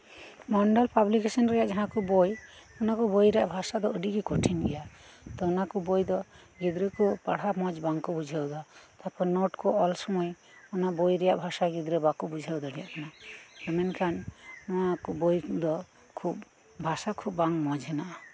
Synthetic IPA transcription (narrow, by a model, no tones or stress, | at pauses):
mɔɳɖɔlpablikesɔnɾɛjaʔd͡ʒaɦãkubojɔnakubojɾɛjaʔbʱasad̪ɔəɖiɡikɔʈʰinɡɛjat̪ɔunakubojd̪ɔ | ɡid̪ɾekɔpa̰ɽ̤amɔd͡ʒbaŋkubud͡ʒʱəwd̪at̪apɔnɔʈkɔʔɔlsɔmɔj | ɔnabojɾɛjaʔbʱasaɡid̪ɾɛbakubud͡ʒʱəwd̪aɖɛjaʔkanakɛmɛnkʰanɔakubojd̪ɔ | kʰub | bʱasakʰubːaŋmɔd͡ʒʱɛnaʔa